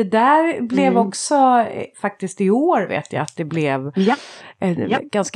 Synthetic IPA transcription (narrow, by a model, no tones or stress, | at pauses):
ɛd̪æːɾblɛvɔksɔfak̚t̪ɪst̪ɪoːɾvḛːt̪ʰja̰ːat̪̚d̪ɛblɛv | ɛnɡ̥ansk